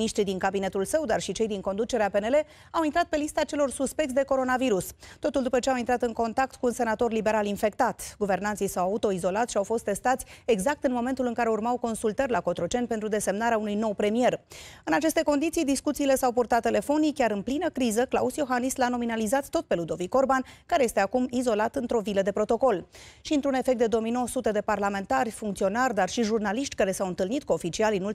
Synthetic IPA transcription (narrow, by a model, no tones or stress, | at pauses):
niʃt̪ɾid̪iŋkabine̞t̪ulsəwd̪arʃit͡ʃe̞jd̪iŋko̞nd̪ut͡ʃe̞ɾeape̞ne̞le̞ | awint̪ɾat̪̚pe̞list̪at͡ʃe̞lo̞rsuspe̞k̚t̪ʲd̪eko̞ɾo̞naviɾust̪o̞t̪uld̪upət͡ʃeawint̪ɾat̪ɨŋko̞nt̪ak̚t̪kuːnse̞nat̪o̞rlibe̞ɾalinfe̞k̚t̪at̪ɡuve̞rnant̪sijsawaut̪o̞izo̞lat̪ʃiawfo̞st̪ːe̞st̪at̪sʲe̞ɡzak̚t̪ɨnmo̞me̞nt̪ulɨŋkaɾe̞urmawko̞nsult̪ərʲlako̞t̪ɾot͡ʃe̞nʲpent̪ɾud̪e̞se̞mnaɾeaunujno̞wpɾe̞mie̞rɨnat͡ʃe̞st̪e̞ko̞nd̪it̪sijd̪iskut̪siːle̞sawpurt̪at̪ːe̞le̞fo̞nikʲaɾɨnplinəkɾizəkla̰usjo̞xanislano̞minalizat̪ːo̞t̪̚pe̞lud̪o̞viko̞rbankaɾeje̞st̪e̞akumizo̞lat̪ɨnt̪ɾo̞viləd̪e̞pɾo̞t̪o̞ko̞lʃiɨnt̪ɾune̞fekt̪d̪e̞d̪o̞mijnowsut̪ed̪e̞parlame̞nt̪arʲfuŋkt̪sio̞narʲd̪arʃiʒurnaliʃt̪ʲkaɾe̞sawɨnt̪ɨlnit̪̚kuofit͡ʃialinul